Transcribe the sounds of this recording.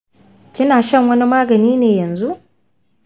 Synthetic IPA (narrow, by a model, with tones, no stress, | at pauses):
kʲɪ˦naː˨ʃɐ˦˨ŋwɐ˦ni˦maː˦ɡɐ˨niː˦neː˨jɐ˨nzu˦ʔ